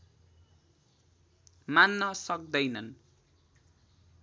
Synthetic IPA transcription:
manːʌsʌk̚d̪ʌjnʌn

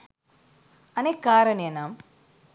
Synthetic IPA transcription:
ɐnekːaːɾɐneɐnaːm

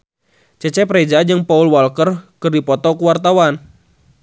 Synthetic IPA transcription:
t͡ʃɛt͡ʃɛpɾɛd͡ʒad͡ʒɨŋpaulwalkərkɨrdipɔt̪ɔkuwart̪awan

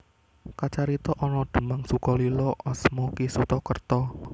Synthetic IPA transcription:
kat͡ʃaɾit̪ɔʔɔnɔɖ̪̥ə̤maŋsukɔlilɔɔsmukisut̪ɔkərt̪ɔ

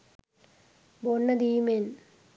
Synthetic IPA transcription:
boɳːɐd̪iːmen

